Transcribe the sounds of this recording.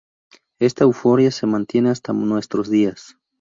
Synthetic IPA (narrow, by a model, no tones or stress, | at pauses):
e̞st̪aewfo̞ɾjase̞mãnt̪je̞ne̞ast̪anwe̞st̪ɾo̞zðias